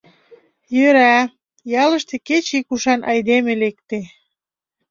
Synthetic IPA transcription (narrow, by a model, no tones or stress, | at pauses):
jøɾæ | jɑlə̆ʃt̪eket͡ɕikuʃɑnʔɑjd̪emelek̚t̪e